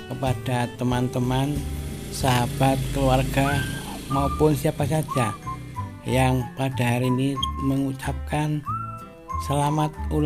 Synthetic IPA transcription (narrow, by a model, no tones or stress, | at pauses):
kəpad̥at̪əmant̪əman | saɦab̥at̪̚kəluarɡ̥a | maupʊnsiapasad̥d͡ʒ̥a | jaŋpad̥aɦaɾiːniməŋut͡ʃap̚kan | səlamat̪̚ul